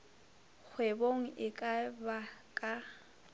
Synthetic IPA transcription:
k͡xʰweboŋ̩ʔɪkʼabakʼa

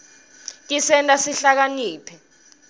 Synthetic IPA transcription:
tʼisɛntʼasiɬak̬aniːpʰɛ

